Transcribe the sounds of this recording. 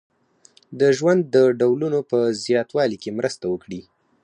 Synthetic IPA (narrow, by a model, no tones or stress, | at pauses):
d̪əʒwand̪ːəɖawlunopəzjɑt̪wɑlikemɾəst̪awəkɽi